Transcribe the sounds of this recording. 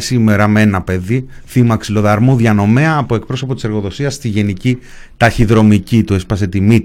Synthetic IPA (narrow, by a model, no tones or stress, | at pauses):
sime̞ɾɐmeenɐpe̞ðiθimɐksilo̞ðɐɾmuðʝɐno̞me̞ɐːpoe̞k̚pɾo̞so̞po̞t̪i̥se̞ɾɣo̞ðo̞siɐst̪iʝe̞nici | t̪ɐçiðɾo̞micit̪ue̞spɐse̞t̪imit̪